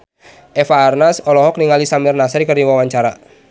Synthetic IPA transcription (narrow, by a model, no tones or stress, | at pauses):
ʔɛfaːrnasɔlɔɦɔk̚niŋalisamirnasaɾkərdiwawaɲt͡ʃaɾa